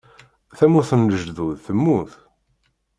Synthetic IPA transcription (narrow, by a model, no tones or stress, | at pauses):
θæmuθənːəʒðuðθəmːuθ